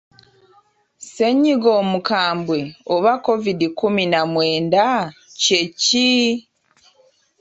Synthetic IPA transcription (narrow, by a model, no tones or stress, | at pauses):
se̞ɲiɡomukaːmbwe̞oβako̞vidikuminamwe̞ːndaceci